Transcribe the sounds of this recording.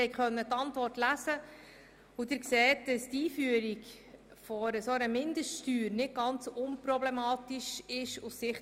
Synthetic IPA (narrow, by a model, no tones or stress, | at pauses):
ɛjkχœnːət̪ːɑntvɔrtlæzə | udɪɾkseːtd̥ɑstiːfyəɾik | fɔɾəsoəɾəmɪndəʃtʃtyːɾnɪt̚ɡ̥ɑnt͡sʊnpɾɔblɛmɑːtiʃɪʃussɪχ